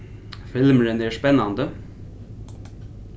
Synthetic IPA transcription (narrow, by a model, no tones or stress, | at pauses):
fɪlməɾənæːʂpɛnɑnd̪ə